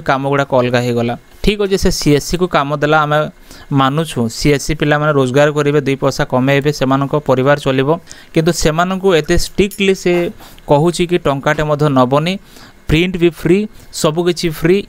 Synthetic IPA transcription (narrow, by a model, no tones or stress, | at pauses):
kamɔɡuɽakɔɔlɡaɦiɡɔla | ʈʰikɦɔd͡ʒisesiesikukamɔd̪elaːme | manut͡ʃʰũsiesipilamaneɾod͡ʒɔɡaɾɔkɔɾibed̪ujpɔɾsakɔmeɦebesemanɔŋkɔpɔɾibaɾɔt͡ʃɔlibɔkint̪̬usemanɔŋkuet̪esʈiklise | kɔɦut͡ʃʰikiʈɔŋkaʈemɔd̪ʱjɔnɔbɔni | pɾiɳʈbipʰɾisɔbukit͡ʃʰipʰɾi